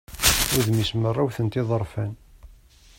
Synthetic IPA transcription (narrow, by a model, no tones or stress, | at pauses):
ʊɾðmismərˤːawθənt̪ɪðˤəɾˤfæn